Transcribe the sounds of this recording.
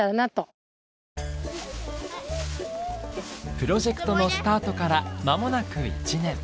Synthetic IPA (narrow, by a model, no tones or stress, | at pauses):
aɾanat̪o | pɯ̟ɾo̞ʑe̞kɯ̟̥t̪o̞no̞sɨ̥t̪aːt̪o̞kaɾamamo̞nakɯ̟ḭt͡ɕinẽ̞ɴ